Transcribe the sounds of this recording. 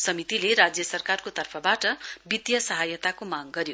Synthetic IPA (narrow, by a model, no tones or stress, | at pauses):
sʌmit̪ileɾad͡zjʌsʌrkarkot̪ʌrpʰʌbaʈʌbid̪jʌsʌɦajʌt̪akomaɡɡʌɾjo